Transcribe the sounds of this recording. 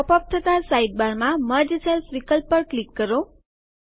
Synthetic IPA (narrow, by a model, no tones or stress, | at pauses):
ɔpɔp̚t̪ʰət̪asaiʈ̚baɾmãməɾd͡ʒəsəlsʋikəlpːəɾklikːəɾo